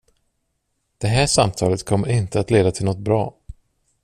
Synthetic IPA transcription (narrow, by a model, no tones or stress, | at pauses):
d̪̥ɛɦæːʂamt̪ʰɑːlət̪kʰɔmːɪnt̪əat̪leːd̪at̪ʰɪlɔt̪̚bɾɑ̰ː